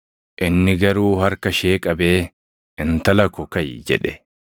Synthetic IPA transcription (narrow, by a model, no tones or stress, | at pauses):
ʔɪnːɪɡɐɾuːhɐɾkɐʃeːkʼɐbe̞ː | ɪnt̪ɐlɐkɔkɐjd͡ʒɛ̰ᶑɛ